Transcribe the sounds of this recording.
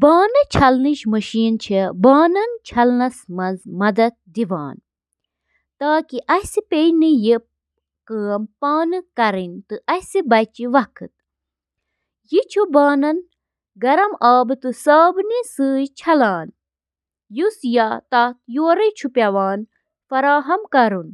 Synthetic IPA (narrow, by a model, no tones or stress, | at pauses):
baːnɨt͡ʃʰɐlniʃmɐʃiːnt͡ʃʰibaːnɐnt͡ʃʰɐlnɐsmɐzmɐd̪ɐt̪̚d̪iʋa̰ːn | t̪aːkiʔɐhsipeniji | kɨːmpaːnɨkɐɾinʲt̪ɨʔɐsibɐt͡ʃiʋɐkʰɨt̪̚ | jit͡ʃʰubaːnɐn | ɡɐɾɐmaːbɨt̪ɨsaːbnisɨːjt͡ʃʰɐlaːn | jusjat̪aːt̪joːɾɐt͡ʃʰupʲjɐʋaːn | fɐɾaːɦɐmkɐɾun